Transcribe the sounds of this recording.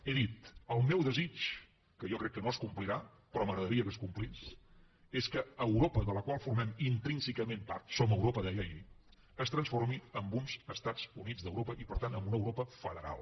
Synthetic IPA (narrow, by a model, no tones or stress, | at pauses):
eðit̪əlˠmɛwðəzit͡ʃ | kəʒɔkɾɛkːənoskumpliɾa | pɾɔməɣɾəðəɾiəkəskumplis | eskəəwɾopəðələkwalˠfuɾmɛmint̪ɾinsəkəmempaɾt̪soməwɾopəðɛjəi | əst̪ɾənsfoɾmiəmbunzəst̪ad͡zunid͡zðəwɾopəʔipəɾt̪anəmbunəwɾopəfəðəɾa̰lˠ